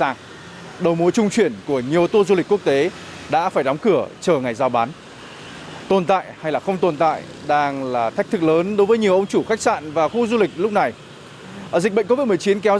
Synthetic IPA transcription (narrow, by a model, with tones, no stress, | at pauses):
a˨˩ŋ | ɗə˨˩wmu˨˦jt͡ɕʊ˧ŋ͡mt͡ɕwi˧˩ənku˧˩əɲi˨˩əwt̪o˧zu˧li˨˩k̟ku˦˥ək̚t̪e˨˦ | ɗa̰ː˧˥faː˧˩jɗa˨˦wŋ͡mkɨ˧˩ət͡ɕəː˨˩ŋa˨˩jzaː˧˩wɓaː˨˦n | t̪o˨˩nt̪a̰ː˧˨jha˧jlaː˨˩xə˧wŋ͡mt̪o˨˩nt̪a̰ː˧˨j | ɗaː˧ŋlaː˨˩t̪ʰa˦˥k̚t̪ʰɨ˦˥k̚ləː˨˦nɗo˨˦jvəː˨˦ɲi˨˩əwʔə˧wŋ͡mt͡ɕu˧˩xa˦˥jk̟̚sa̰ː˧˨nvaː˨˩xu˧zu˧lï˨˩k̟̚lʊ˦˥k͡p̚na˨˩j | zi˨˩k̟ɓə̰˧˨ŋko˧˦vi˦˥t̚m˨˩ət͡ɕi˨˦nkɛ˨˦w